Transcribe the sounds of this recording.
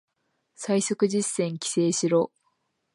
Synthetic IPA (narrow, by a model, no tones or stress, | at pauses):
saisokɯ̟d͡ʑisːẽ̞ŋkʲi̥se̞ːɕiɾo̞ː